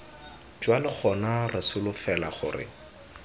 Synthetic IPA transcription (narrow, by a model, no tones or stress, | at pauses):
d͡ʒwalɪk͡xʰɔnarɪsʊlʊfɛlaχʊ̰ːrɪ̰